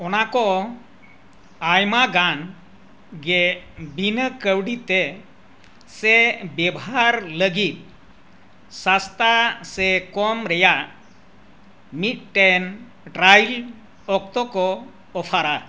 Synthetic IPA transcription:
ɔnakɔ | ajmaɡan | ɡɛbinəkəwɖit̪ɛ | sɛbjɛbɦaɾləɡit̪̚ | sast̪asɛkɔmɾɛjaʔ | mit̪̚ʈɛn | ʈɾajl | ɔk̚t̪ɔkɔ | ɔpʰaɾa

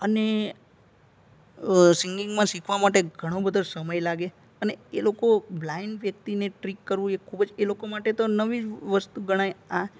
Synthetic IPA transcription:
əne | siŋɡiŋɡmãsikʰʋamaʈeɡʱəɽ̃õbəd̪ʱosəməjlaɡe | əneelokoblaiɳɖʋjək̚t̪ineʈɾikːəɾʋũt͡ʃekʰubəd͡ʒelokomaʈet̪onəʋid͡ʒʋəst̪uɡəɽ̃aja

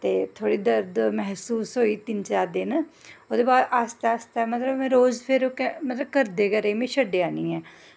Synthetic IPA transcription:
t̪eːt̪ʰoːɽiːd̪əɾd̪mɛɦsuːsɦoːiːt̪ɪnt͡ʃaːɾd̪ɪnoːd̪eːbaːd̪aːst̪ast̪aːmət̪ləbmɛ̃ɾoːzpʰɪɾokɛmət̪ləb̚kəɾd̪eːkəɾeiːmẽːʃʰəɖːeːaːniːɛː

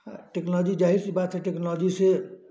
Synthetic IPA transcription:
ʈeknd͡ʒid͡ʒaɦisebat̪seʈeknɔld͡ʒise

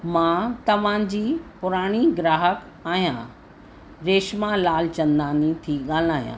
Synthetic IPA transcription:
mãt̪ɐʋ̤ãd͡ʑiːpʊɾaːɽ̃iɡɾaːɦək | aːɦijã̰ | ɾeːʃmalaːlt͡ɕɐ̃nd̪aːnit̪ʰiɠaːlaːɦjã̰

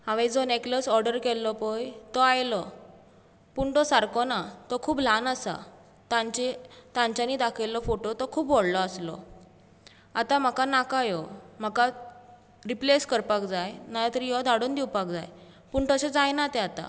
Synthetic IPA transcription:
hãʋed͡zɔnekləsɔɾɖəɾkɛlːɔpɔjt̪ɔajlɔ | puɳʈɔsaɾkɔnat̪ɔkʰuːblanasa̰ | t̪ãɲt͡ɕet̪ãɲt͡ɕaniːd̪akʰejlːɔfoʈot̪ɔkʰuːpʋoɽlɔaslɔ̰ | at̪am̤əkanakajɔm̤əka | ɾipleskəɾpakd͡zajnajat̪əɾijɔd̪ʱaɽuːnd̪iwpakd͡zaj | puɳʈɔɕed͡zajnat̪eat̪a̰

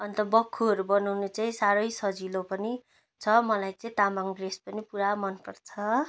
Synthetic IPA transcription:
ʌnt̪ʌbʌkʰːuʌɾubʌnawnet͡saĩsaɾʌjsʌd͡zilopʌni | t͡sʰʌmʌlajt͡saĩt̪amaŋɖrespʌnipuɾamʌnpʌrt͡sʰʌ

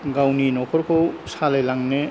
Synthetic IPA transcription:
ɡawninɔkʰɔɾkʰowsalejlaŋne

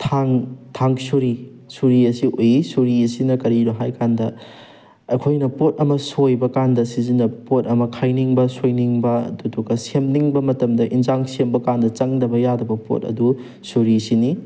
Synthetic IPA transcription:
tʰaŋtʰaŋsuɾi | suɾiɐsiʔojisuɾiɐsinɐkɐɾiɾoɦajkandɐ | ɐ̰kʰojnɐpot̚ɐmɐsojbɐkandɐsizinɐɐpot̚ɐmɐkʰajniŋbɐsojniŋbɐɐ̰duduɡɐsemniŋbɐmɐtɐmdɐʔinzaŋsembɐkandɐt͡ʃɐŋdɐbɐjadɐbɐpo̰t̚ɐ̰du | suɾisini

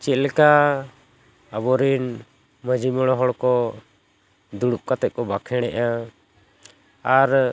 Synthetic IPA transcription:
t͡ʃɛlka | əbɔɾin | məd͡ʒimɔɽ̃ɔɦɔɽkɔ | d̪uɽup̚kat̪ɛʔ̚kɔbakʰɛɽ̃ɛ̰ʔa | aɾ

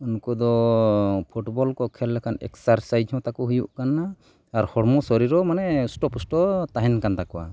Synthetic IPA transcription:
unkɔd̪ɔ | pʰuʈbɔlkɔkʰɛlːɛkʰanɛ̰ksaɾsajd͡ʒhɔ̃t̪akɔɦujuʔkanːaː | ɾhɔɽmɔsɔɾiɾɔmanɛsʈɔpusʈɔt̪aɦɛnkant̪akɔwa̰

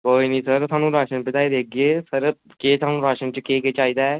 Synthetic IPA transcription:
koːiːniːsəɾt̪ʰaːnũːɾaːʃənpɪt̪aːid̪eːk̚ʰɡeːsəɾ | keːt̪ʰaːnũːɾaːʃənt͡ʃəkeːkeːt͡ʃaːiːd̪aːɛː

